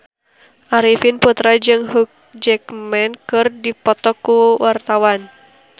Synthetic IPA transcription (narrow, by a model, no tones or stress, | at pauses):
ʔaɾifinput̪ɾad͡ʒɨŋhuk̚d͡ʒɛkmɛnkɨrdipɔt̪ɔkːuwart̪awan